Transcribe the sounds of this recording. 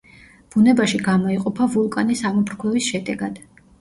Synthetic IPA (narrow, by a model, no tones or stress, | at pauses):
b̥unɛbaʃiɡamɔiqʼɔpʰavulˠkʼanisamɔbɾkʰlɛvisʃɛd̪ɛɡad̪̥